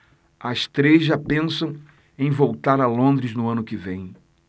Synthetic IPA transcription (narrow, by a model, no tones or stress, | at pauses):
ast̪ɾezʒapẽsɐ̃w̃ | ẽj̃vowt̪aɾɐlõnd̪ɾɪznʊɐ̃nʊkɪvẽj̃